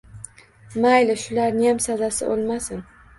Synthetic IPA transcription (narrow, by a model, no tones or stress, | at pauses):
majlɪʃʊlaɾnɪjamsazasɪ̰ʔo̰lˠmasɪn